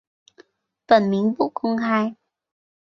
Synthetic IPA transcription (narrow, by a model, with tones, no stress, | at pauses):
fə˧˩nmi˨˦ŋvṵ˧˥kɔ˧ŋxaː˧j